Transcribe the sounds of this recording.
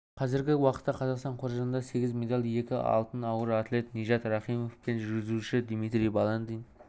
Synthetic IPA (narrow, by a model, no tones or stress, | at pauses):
qʰɑzɪɾɡʲɪwɑqə̥t̪ːɑqʰɑzɑqst̪ɑɴqʰoɾʒɑnənd̪ɑse̞ɡʲɪzmʲe̞d̪ɑlʲˠje̞kʲɪɑ̰lˠt̪ənɑwəɾat̪lʲe̞t̪neʒɑt̪ɾɑχijmofpenʒʏɾɡʲɪzuʃɪd̪mijt̪ɾijbɑlˠɑnd̪ijn